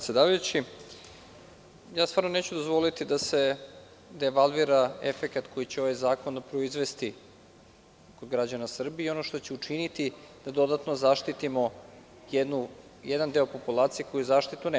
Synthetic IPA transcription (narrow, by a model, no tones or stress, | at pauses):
t̪sjed̪aːʋajut͡ɕi | jaːst̪vaːɾno̞ne̞ːt͡ɕud̪o̞zʋo̞lit̪id̪ase̞ | d̪eʋalˠʋiɾaḛfekat̪ko̞jit͡ɕeo̞ʋajzaːko̞nd̪apɾo̞izʋe̞st̪i | kod̪ɡɾad͡ʑanasr̩biio̞noʃt̪o̞t͡ɕe̞ut͡ʂinit̪id̪̥ad̪o̞d̪at̪no̞zaʃt̪it̪imo̞ | jed̪nujed̪and̪e̞opo̞pulˠaːt̪sijekʰo̞juzaːʃt̪it̪une